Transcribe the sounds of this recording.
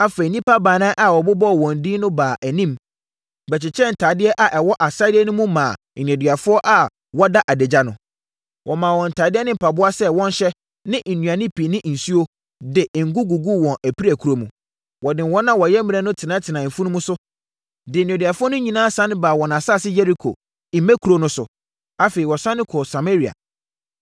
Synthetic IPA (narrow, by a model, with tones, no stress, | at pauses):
a˦fe˨i˨nĩ˦pa˦baː˨nã˦ʔa˨wɔ˨bʊ˦bɔ˦˨wɔ̃˨n˨diː˦nʊ̃˦baː˨ʔæ˨nĩ˦m | bɛ˨t͡ɕʰɪ˨t͡ɕʰɛ˦˨n̩˨tʰaː˨dɪ˦ɛ˦ʔa˨ʔɛ˨wɔ˦ʔa˨sa˦dɪ˦ɛ˦nʊ̃˦mũ˦mãː˨nĩ˨ɛ˨dɥa˨fʊ˦ɔ˦ʔa˨ | wɔ˦da˦ʔa˨de˨d͡ʑa˦nʊ̃˨ | wʔɔ˨mãː˨wɔ̃˨n̩˨tʰaː˨dɪ˦ɛ˦nɪ̃˦m̩˨pʰa˨bʊ˦a˦sɛ˦wɔ̃˦n˦ɕɛ˦ | nɪ̃˦n̩˨nũ˨ã˨nɪ̃˦pʰi˨nɪ̃˦ʔn̩˨su˦o˦ | dɪ˨ŋ̩˨ɡu˦ɡu˨ɡu˦wɔ̃˨nʔæ˨pʰi˦ɾæ˨kʰu˨ɾo˦mũ˨ | wɔ˨dɪ̃˨wɔ̃˦nːã˦wɔ˨jɛ˦mɪ̃˨ɛ˦nʊ̃˦tʰɪ˨nã˨˦tʰɪ˨nã˨m̩˨fũ˦nʊ̃˦mũʊ̃˦sʊ˦ | dɪ˨nĩ˨dɥa˨fʊ˦ɔ˦nʊ̃˦ɲĩ˨nã˦sã˦ñ˦baː˨wɔ˨nã˨saː˦˨sɪ˦je˦ɾi˦kʰo̰˨ | i˨mɛ̃˦kʰu˨ɾo˦nʊ̃˦sʊ̰˨ | a˦feː˨i˨wɔ˨sã˦nːɪ̃˦kʰɔ˨sa˨me˦ɾi˨a̰˨